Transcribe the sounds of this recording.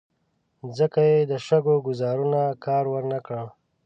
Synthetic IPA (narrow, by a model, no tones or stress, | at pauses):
zəkajed̪əʃaɡoɡʊzɑːɾunakɑːɾwəɾnakəɳ